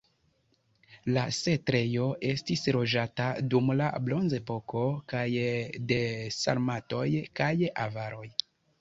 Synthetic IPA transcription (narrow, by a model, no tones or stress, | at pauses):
lase̞tɾe̞jo̞ʔe̞stisɾo̞d͡ʒatadumla̰blo̞nze̞po̞ko̞kajde̞sa̰ɾmato̞jkajavaɾʔo̞j